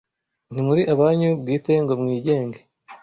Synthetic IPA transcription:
n̥imuɾiʔaβaːɲubɡiːte̞ŋɡo̞mŋiːɟe̞ːŋɡe

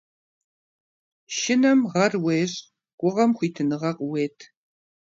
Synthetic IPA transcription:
ʃɪnɐmʁɐrweːɕʼ | ɡ̥ʷʼʊʁɐmχʷiːtʰɨnɨʁɐqʼweːtʰ

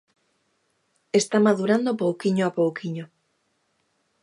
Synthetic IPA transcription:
est̪amaðuɾand̪opowkiɲoapowkʰiɲo

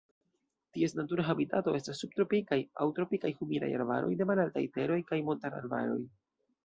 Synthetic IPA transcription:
tie̞snatuɾaɦabitato̞ʔe̞stasːub̚t̪ɾo̞pikaja̰wtɾo̞pikajhumida̰ja̰ɾva̰ɾo̞̰jde̞malalta̰jte̞ɾo̞jkajmontaɾa̰ɾva̰ɾo̞̰j

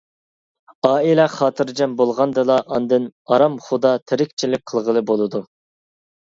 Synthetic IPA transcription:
ɑːilɛχɑːt̪ʰɨɾd͡ʒɛmbolˠʁɑnd̪ɨlˠɑʔɑnd̪ɨnɑɾɑmχʊd̪ɑt̪ʰɪɾɪkʲt͡ʃʰilɪk̚ʲqʰəlˠʁəlˠɨbolˠɨd̪u

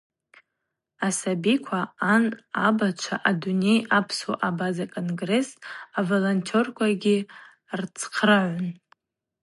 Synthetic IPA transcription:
asabikʷʰaanabat͡ʃʷʰa̰ʔadune̞japʰso̰ʔabazakʼo̞nɡre̞savolontʰo̞rkʷʰaɡʲɪ | rt͡sʰqʰrɨʕʷʊn

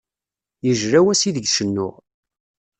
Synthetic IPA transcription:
jəʒɾæwæsiðəɡʃənːʊ̰ʁ

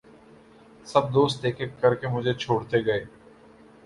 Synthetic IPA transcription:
sɐb̚d̪oːst̪eːkekɐɾkemʊd͡ʒʱet͡ʃʰoːɽt̪eɡɐeː

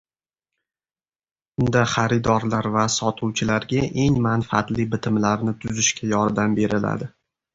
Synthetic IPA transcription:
ʊnd̪aχaɾɪd̪ɒɾlaɾvasɒt̪ʰʊwt͡ʃʰɪlaɾɡʲaʔe̞ŋmanfaat̪lɪbɪt̪ʰɪmlaɾnɪt̪ʰʊzɪʃkʲajɒɾd̪ambe̞ɾɪla̰d̪ɪ

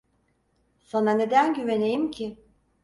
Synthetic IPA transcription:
sanane̞d̪ænɟyve̞nejimcʰi

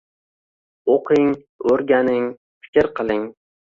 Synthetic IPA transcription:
oqʰɪŋ | ɵɾɡʲanɪŋ | fɪ̥kʲɾqɨlˠɪŋ

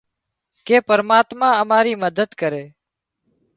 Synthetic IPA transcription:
keːpəɾmaːt̪mãːəmaːɾiːməd̪ʱəd̪kəɾeː

